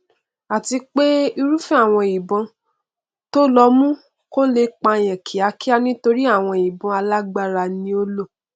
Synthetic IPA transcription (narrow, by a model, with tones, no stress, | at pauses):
a˨ti˧k͡pe˦i˧ɾu˦fɛ˦a˦˨w̃ɔ̃˧i˨bɔ̃˧ | to˦lɔ˧˦mũ˦ | ko˦le˧k͡pa˧j̃ɛ̃˨kʰi˨a˨˧ki˦a˧nĩ˦to˧ɾi˦a˦˨w̃ɔ̃˧i˨bɔ̃˧a˧la˦ɡ͡ba˦ɾa˧nĩ˧˦o˦lo˦˨